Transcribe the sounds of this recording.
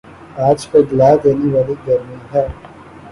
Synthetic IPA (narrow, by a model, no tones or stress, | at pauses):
aːd͡ʒkadɪlaːd̪eːneʋaːliɡɐɾmiɦɛː